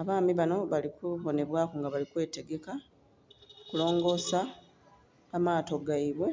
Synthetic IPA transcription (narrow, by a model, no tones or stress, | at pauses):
aβaːmiβano̞βalikuβo̞ne̞βwaːkoŋɡaβalikwe̞ːte̞ɡe̞ka | kulo̞ːŋɡo̞ːsa | amaːto̞ɡaiβwe̞